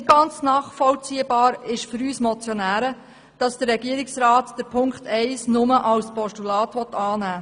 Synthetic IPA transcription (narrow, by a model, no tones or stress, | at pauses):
nɪtɡ̥ɑnt͡snɑːχfɔlt͡siəbɑːɾɪʃfʏɾyːsmɔt͡sjɔnæːɾə | d̥ɑsd̥ərɛɡ̥iəɾɪksɾɑːtd̥əɾpʰʊŋkχtɛɪsnʊməʔɑwspɔʃtulɑːtʋɔt̪ːɑːnæː